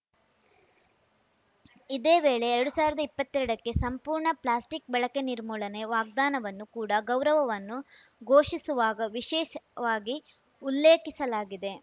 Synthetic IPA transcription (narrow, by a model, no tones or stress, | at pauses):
id̪e̞ːʋeːɭe̞ːɾɐɽusaːʋiɾɐd̪ɐipːɐt̪ːɛɾɐɽɐkːe̞sɐmpuːɾɳɐplaːsʈik̚bɛɭɐke̞niɾmuːɭɐne̞ʋaːɡ̚d̪aːnɐʋɐnːukuːɽɐɡɐwɾɐʋɐʋɐnːuɡʱo̞ːʂisuʋaːɡɐʋiʃɛːʃɐʋaːɡi | ulːeːkisɐlaːɡid̪e̞